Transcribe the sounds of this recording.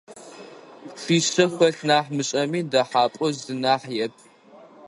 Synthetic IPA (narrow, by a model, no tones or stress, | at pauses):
ɬiːɕɐxʷɐɬnaːħmɨɕʼɐmiːdaħaːpʷʼɔzdɨnaːħjɛp̚ʰʼ